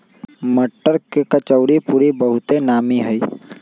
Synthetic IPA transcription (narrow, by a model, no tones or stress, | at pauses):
məʈːəɾkekət͡ʃəʊɾipuːɾibəɦʊt̪enaːmiɦəi